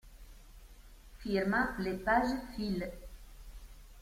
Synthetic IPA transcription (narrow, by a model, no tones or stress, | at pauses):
fiɾmɑ̃lepaʒfil